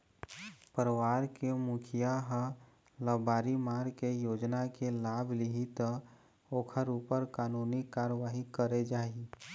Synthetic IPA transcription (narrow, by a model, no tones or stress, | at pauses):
pəɾəʋaːɾkemʊkʰijaɦə | ləbaːɾimaːɾkejoːd͡ʒnakelaːbʱliɦit̪ | oːkʰəɾuːpəɾkaːnuːnikaːɾəʋaːɦikəɾed͡ʒaːi